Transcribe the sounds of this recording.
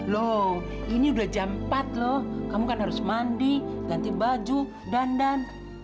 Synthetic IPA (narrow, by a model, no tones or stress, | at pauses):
lɔ | iniudahd͡ʒampat̪̚lɔhkamukanɦaɾusmandiɡant̪ibad͡ʒu | dandan